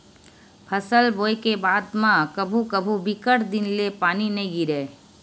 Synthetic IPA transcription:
pʰɐsəlboːjkebaːd̪mãkɐbʱukəbʱubɪkəʈd̪ɪnlepaːnineĩɡiɾeː

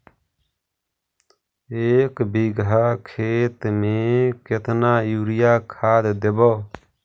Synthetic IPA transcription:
eːkbiɡaːkʰeːt̪mẽːket̪naːjuːɾɪjaːkʰaːd̪d̪ebɔː

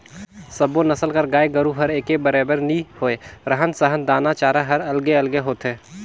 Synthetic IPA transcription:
sɐbonɐsəlkəɾɡaːeɡəɾuɦɐɾeːkebəɾeːbəɾnĩhoːeɾəɦənsəɦənd̪aːnat͡ʃaːɾaɦɐɾɐlɡeɐlɡeɦoːt̪ẽː

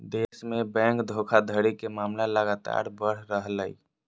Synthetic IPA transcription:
d̪esmebɛ̃ːŋkd̪ʱokʰad̪ʱəɽikemaːmlaləɡat̪a̰ɾbəɽ̤ɾəɦləḭ

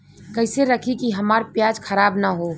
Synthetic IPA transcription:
kəɪseɾəkʰikiɦəmaːɾpjad͡ʒkʰəɾaːbnaɦo

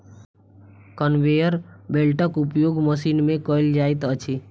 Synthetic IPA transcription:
kənʋejəɾbelʈəkupjoɡməsinmẽkəild͡ʒajt̪ət͡ʃʰi

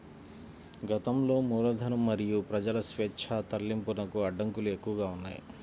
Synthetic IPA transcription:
ɡɐt̪ɐmlo̞ːmuːlɐd̪ʱɐnɐmːɐɾijupɾɐd͡ʒɐlɐsʋɛːtːt͡ʃʰaːt̪ɐlːimpunɐkuɐɖːɐŋkulue̞kːuʋɐɡaːunːa̰ːji

